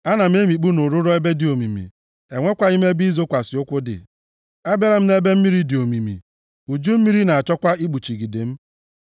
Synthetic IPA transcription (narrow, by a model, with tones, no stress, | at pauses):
a˦na˨m̩˦e˦mi˨k͡pu˦nʊ˨ɾʊ˦ɾɔ˦e˦be˦dɪ˨o˨mi˨mḭ˨ | e˨ŋʷe˦kʷa˨i˦me˦bi˦zo˦kʷa˨sɪ˨ʊ˦kʷʊ˦dɪ̰˨ | a˦be˦ɾa˦m̩˦ne˦be˦m̩˦mi˦ɾi˦dɪ˨o˨mi˨mḭ˨ | u˨d͡ʒu˦m̩˦mi˦ɾi˦na˨a˨t͡ʃɔ˦kʷa˦i˦k͡pu˨t͡ʃi˨ɡi˨de˨m̩˦